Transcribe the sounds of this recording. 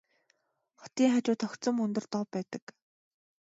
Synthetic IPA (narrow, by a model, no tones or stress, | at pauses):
χɔ̥t̪iːŋχat͡ɕʊːt̪ʰɔkt͡sɞ̆mɵnt̪ɵ̆rt̪ɔpːæːt̪ə̆k